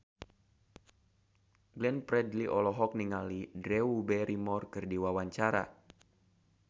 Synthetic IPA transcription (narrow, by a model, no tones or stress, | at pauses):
ɡlɛnpɾɛdliʔɔlɔɦɔk̚niŋalidɾɛubɛɾimɔrkɨrdiwawaɲt͡ʃaɾa̰